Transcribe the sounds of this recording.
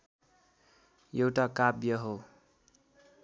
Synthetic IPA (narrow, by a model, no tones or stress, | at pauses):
jewʈakabjʌɦo